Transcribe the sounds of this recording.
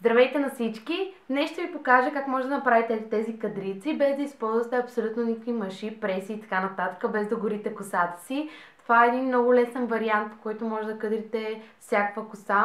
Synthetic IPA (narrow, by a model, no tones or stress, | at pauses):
zd̪ɾɐvɛjt̪ɛnɐsit͡ʃki | nɛʃt̪ovipokaʒəkakmɔʒɛd̪ənɐpɾavit̪ɛlit̪ɛzikɐd̪ɾit̪sibɛzd̪ɐispɔlˠzvɐt̪ɛɐpsolʲut̪nonʲikə̥kvimɐʃipɾɛsiːt̪ɐ̥kanɐt̪at̪ə̥kəbɛzd̪ɐɡʊɾit̪ɛkʊsat̪ə̥sit̪ovaɛːd̪inmnɔɡʊlɛsɛnvɐɾiant̪̚po̥kɔjt̪omɔʒd̪ɐkɤd̪ɾit̪ɛfsʲjakəkvɐkʊsa